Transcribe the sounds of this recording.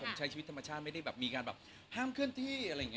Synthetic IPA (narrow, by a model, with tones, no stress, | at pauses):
o˩˦mt͡ɕʰa˨˦˥jʰt͡ɕiː˧˦˥t̪ːʰa˧ma˧t͡ɕʰaː˥˩t̪̚ma˥˩jda˥˩jbɛː˨˩p̚miː˧kaː˧nbɛː˨˩ | hʰaː˥˩mkʰɯ˥˩ənt̪ʰiː˥˩˧a˧˨ŋi˦˥